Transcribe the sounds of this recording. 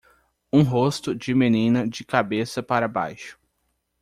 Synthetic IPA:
ũɦost̪ʊd͡ʒɪmenĩnɐd͡ʒɪkabesɐpaɾɐba̰jʃʊ̥

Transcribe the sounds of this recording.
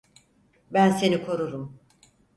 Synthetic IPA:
bænse̞nikʰo̞ɾuɾum

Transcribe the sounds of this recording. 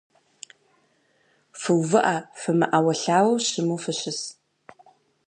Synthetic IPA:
fɨwvɨʔafɨmɨ̰ʔawɐɬaːwɕɪmufɨɕɪs

